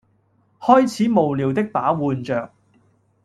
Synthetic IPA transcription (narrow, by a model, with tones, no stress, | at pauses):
hɔː˥jt͡sʰiː˨˥mo˨wliː˨wt̪ɪ˥k̚paː˨˥wuː˨nt͡ʃœː˨˩k̚